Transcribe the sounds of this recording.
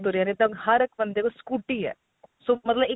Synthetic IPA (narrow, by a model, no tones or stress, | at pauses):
d̪oːɾianet̪ɐhɐɾɪkbə̃nd̪ekoskuːʈiɦɛ̰ː | somɐt̪ləbɪ